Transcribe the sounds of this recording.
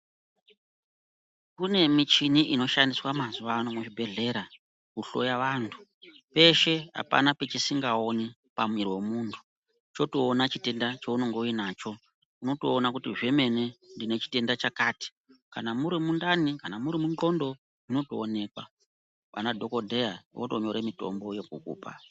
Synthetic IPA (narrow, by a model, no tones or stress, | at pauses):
kune̞mit͡ʃiniʔino̞ʃandiswamazuʋanomuʐibʱe̞ɮe̞ɾa | kuɬo̞̰jaʋaːntʰu̥ | pe̞ʃe̞a̰pa̰nape̞t͡ʃisiŋɡao̞ni | pamwiriwe̞muːntʰu̥ | t͡ʃo̞toːnat͡ʃite̞ndat͡ʃeuno̞ŋɡeuinaːt͡ʃo̞ | uno̞toːnakutiʐe̞me̞ne̞ndine̞t͡ʃi̥te̞ndat͡ʃakaːti̥ | kanamuɾimundanikanamuɾimunɡo̞ndo̞ | ino̞toːne̞ːkwa̰ | ʋa̰nadʱo̞ko̞dʱe̞jawoto̞ɲo̞ɾemito̞̰mbo̞je̞kṵːkṵːpa̰